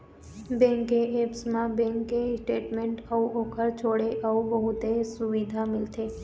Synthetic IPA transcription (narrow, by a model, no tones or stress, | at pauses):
bẽŋkeepsmãbɛ̃ŋkesʈeʈmeɳʈəuʔokʰəɾt͡ʃʰoɽeʔəubəɦut̪esuʋid̪ʱamɪlt̪ʰe